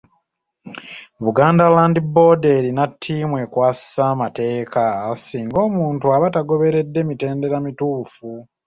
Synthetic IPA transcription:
βuɡaːndalaːndibo̞ːdeɾinatʰːiːmwe̞kwaːsi̥samate̞ːkasiːŋɡo̞ːmuːntuaβataɡo̞βe̞ɾe̞dːe̞mite̞ːnde̞ɾamituːfu

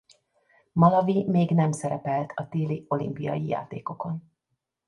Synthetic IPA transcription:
mɒlɒvimeːɡnɛmsɛɾɛpɛlt̪ʰɒt̪eːlio̞lḭmpijɒ̰jija̰ːt̪ḛːko̞ko̞n

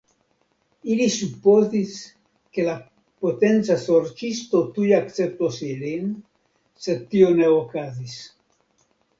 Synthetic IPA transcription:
ilisupːozis | kela | pot̪ent̪sasoɾt͡ʃist̪ot̪ujak̪t͡sep̚t̪oseɾen | set̪ːioneokazis

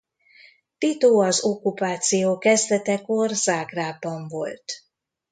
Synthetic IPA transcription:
t̪it̪oːɒzokːupaːt̪sijoːkɛzd̪ɛt̪ɛko̞rzaːɡraːbːɒɱvo̞̰lt̪

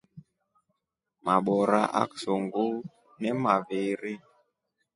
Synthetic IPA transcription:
maɓɔɾa̰ʔa̰ksoŋɡu | nɛmaveɾi

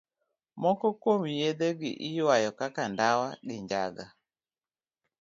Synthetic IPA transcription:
mɔkɔkomijed̪ɛɡɪ̰ʔiwajɔkakandawaɡɪɲd͡ʒa̰ɡa

